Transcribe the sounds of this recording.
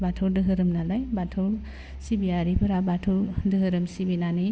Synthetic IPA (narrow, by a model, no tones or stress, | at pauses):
batʰowdɯɦɯɾɯmnalajbatʰoɾ | sibijaɾipʰɯɾabatʰɯwdɯɦɯɾɯmsibinanɯ